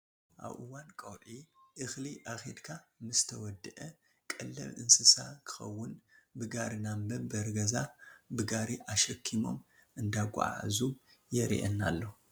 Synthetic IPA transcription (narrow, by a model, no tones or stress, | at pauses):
ʔa̰βʔɨ̰wankʼɐwʕiʔɨxliʔaxed̪kʰamɨst̪ʰɐwɔd̪ɨʔɐ | kʼɐlːɐ̰mɨ̰nsɨsa̰kʰɨ̥xɐwːʊnbɨɡaɾinambɐmbɐɾɡɐzabɨɡaɾiʔaʃɐkʰːimo̞̰m | ʔɨnd̪aɡʷa̰ʕ̰azujɛɾḭʔɐnːalːo